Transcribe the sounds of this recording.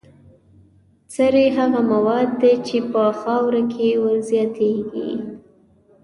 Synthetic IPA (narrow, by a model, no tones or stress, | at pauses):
t͡səɾeɦaɣamawɑd̪ːet͡ʃepəxɑwɾakʰewəlzjɑt̪eɡḭ